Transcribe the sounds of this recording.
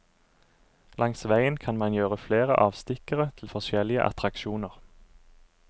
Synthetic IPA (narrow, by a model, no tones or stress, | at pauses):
lɑŋsʋæɪənkʰɑnmɑnjøːʁəfleːʁə̰ʔɑːʋst̪ɪkəʁət̪ʰl̩fɔʃɛlɪə̰ʔɑ̰t̪ʁɑkʃuːnəʁ